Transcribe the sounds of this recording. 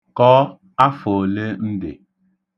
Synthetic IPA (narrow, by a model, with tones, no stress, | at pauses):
kɔː˦ | a˦foː˨le˦n̩˦dḛ˨